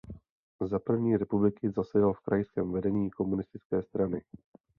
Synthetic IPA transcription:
zapr̩vɲiːɾɛpublɪkɪzasɛdalfkɾajskɛːmvɛdɛɲiːko̞munɪst̪ɪt͡skɛːst̪ɾanɪ

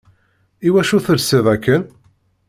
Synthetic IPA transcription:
iwæʃuθəɾsiðˤækːən

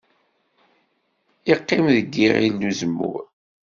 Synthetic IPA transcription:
iqːɪmðəɡːiɾḭlːuzəmːṵɾ

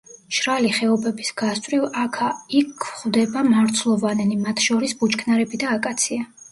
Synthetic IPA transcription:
ʃɾaliχɛɔbɛbisɡ̥ast̪ʼɾivakʰaikʰχvd̪ɛbamaɾt̪sʰlˠɔvanɛnimat̪ʰʃɔɾisbut͡ʃkʰnaɾɛbid̪aːkʼat̪sʰia

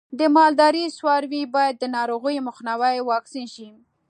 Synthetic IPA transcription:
d̪əmɑld̪ɑɾiswɑɾwibɑjad̪ːənɑɾoɣəjmʊxnawajwɑksinʃi

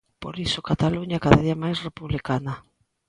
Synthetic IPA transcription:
po̰ɾisokat̪aluɲakaðaðiɐmajsrepuβlikanɐ

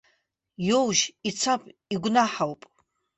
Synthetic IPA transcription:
jowʒit͡sʰapʼiɡʷnaħawpʼ

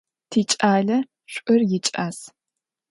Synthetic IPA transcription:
tʰiːt͡ʃʼaːɮɐ | ɕʷʼʊrjɪt͡ʃʼaːs

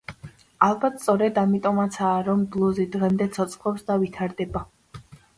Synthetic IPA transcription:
alˠbat̪̚ʰst̪sʼɔɾɛd̪amit̪ʼɔmat̪sʰaːɾɔmblˠɔzid̪ʁɛmd̪ɛt̪sʰɔt̪sʼχɔpsd̪avit̪ʰaɾd̪ɛba

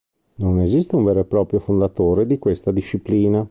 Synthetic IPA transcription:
nonezist̪euɱveːɾoepɾɔːpɾjofond̪at̪oːɾed̪ikwest̪ad̪iʃːipliːna

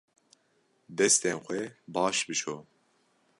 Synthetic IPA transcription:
d̪ɛst̪enxʷɛbɑːʃbɨt͡ʃʰoː

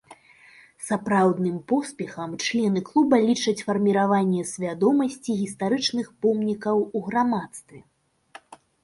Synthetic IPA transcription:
sapɾawd̪nɨmpɔspʲɛxɐmt͡ʂlʲɛnɨklˠubɐlʲit͡ʂɐt͡sʲfɐrmʲiɾavanʲːɛsʲvʲad̪ɔmɐsʲt͡sʲiɣʲist̪aɾɨt͡ʂnɨxpɔmnʲikɐwuɣɾamat̪st̪vʲɛ

